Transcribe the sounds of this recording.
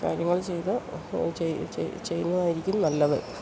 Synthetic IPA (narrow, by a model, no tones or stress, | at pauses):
kaːɾjɐŋːɐɭt͡ɕejt̪ot͡ɕet͡ɕt͡ɕejunːɐðaːjiɾikʲːumnɐlːɐðɨ̰